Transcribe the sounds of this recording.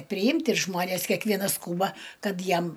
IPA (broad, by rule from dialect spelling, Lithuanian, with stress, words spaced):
pʲrʲɪˈɪmʲtʲ ɪr ˈʒmoːnʲɛs kʲɛkˈʋʲiɛnɐs ˈskuːbɐ ˈkɐt ˈjɛm